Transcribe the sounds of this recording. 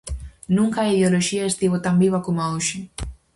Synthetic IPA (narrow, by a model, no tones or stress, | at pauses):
nũŋkaiðoloʃiaest̪iβot̪ambiβakomaoʃi